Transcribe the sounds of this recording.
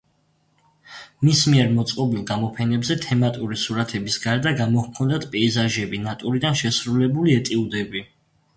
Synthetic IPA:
mismiɛɾmɔt̪sʼqʼɔbilˠɡamɔpʰɛnɛbzɛt̪ʰɛmat̪ʼuɾisuɾat̪ʰɛbisɡaɾd̪aɡamɔhkʰɔnd̪at̪ʰpʼɛizaʒɛbinat̪ʼuɾid̪anʃɛsɾulɛbuliɛt̪ʼiud̪ɛbi

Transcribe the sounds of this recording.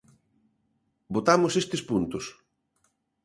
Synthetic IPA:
bot̪amʊsest̪espunt̪ʊs

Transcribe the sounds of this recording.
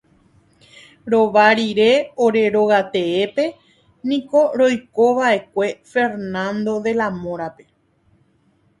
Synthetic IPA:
ɾo̞ʋaɾiɾe̞o̞ɾe̞ɾo̞ɣat̪e̞epe̞ | nĩko̞ɾo̞jko̞ʋaʔe̞kʷe̞fe̞ɾnãnd̪o̞ðe̞lamõɾape̞

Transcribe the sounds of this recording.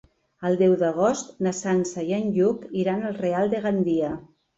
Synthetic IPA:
əlˠd̪ɛwðəɣ̞ost̪nasansəjənʎukiɾanəlˠrealˠd̪əɣand̪iə

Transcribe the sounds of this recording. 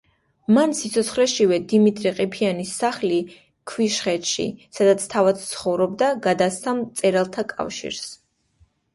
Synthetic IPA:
mansit̪sʰɔt̪sʰχlɛʃivɛd̪imit̪ʼɾiqʼipʰianisːaχli | kʰviʃχɛt̪ʃḭsad̪at̪sʰt̪ʰavat̪t̪sʰχɔvɾɔb̚d̪aɡad̪ast̪amt̪sʼɛɾalˠt̪ʰakʼa̰fʃḭɾs

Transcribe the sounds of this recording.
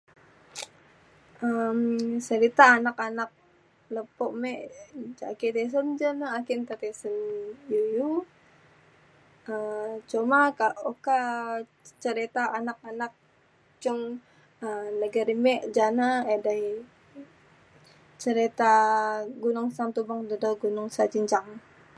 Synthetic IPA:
əmsəɾit̪aːnakanak̚ | ləpɔʔmɛʔa̰kit̪es̬əmd͡ʒanaːkint̪at̪esənjuju | ət͡ʃomakaʔoka | t͡ʃəɾit̪aːnak̚anak̚ | t͡ʃɔŋ | ənəɡaɾimɛʔd͡ʒanaedaj | t͡ʃəɾit̪aɡunʊŋsant̪ubaŋdədaɡunʊŋsad͡ʒiɲt͡ʃaŋ

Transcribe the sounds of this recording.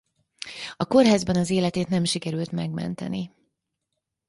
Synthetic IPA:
ɒko̞rɦaːzbɛnɒzeːlɛt̪eːt̪nɛmʃikɛɾylt̪mɛɡmɛ̰nt̪ɛ̰ni

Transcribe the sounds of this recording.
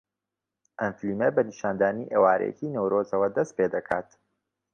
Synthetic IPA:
ʔɐnfiliːmebɐniʃaːnd̪aːniʔeːwaːɾɛ̰jɛ̰ciːnewɾozɐwɐd̪ɐst̪̚peːd̪ɐkʰa̰ːt̪

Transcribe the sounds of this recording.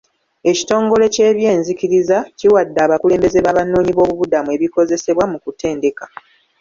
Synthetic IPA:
e̞ci̥to̞ːŋɡo̞le̞ce̞ːβje̞ːnziciɾizaciwadːaːβakule̞ːmbe̞ze̞βaβanoːɲiβo̞ːβuβudamue̞βiko̞ze̞se̞βwamukute̞ːnde̞kḁ

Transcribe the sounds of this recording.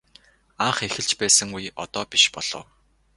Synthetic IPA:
aɴχexɘ̆ɮt͡ɕpæːsə̆ŋujɔ̰t̪ɔːpiʃpɔɮ̥ɞ̰̆w

